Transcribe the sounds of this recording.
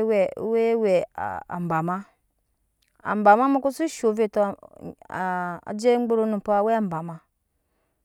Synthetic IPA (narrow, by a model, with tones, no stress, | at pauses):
we˦we˨a̰˨m˨ba˨ma˦ | a̰˨m˨ba˨ma˦mu˦ku˦su˦ʃo˨˦vi˦to˦˨ | a̰˨d͡ʒe˦ŋ͡m̩˦ɡ͡bu˦ɾo˦nu˨po˦a˨we˦a˨m˨ba˨ma˦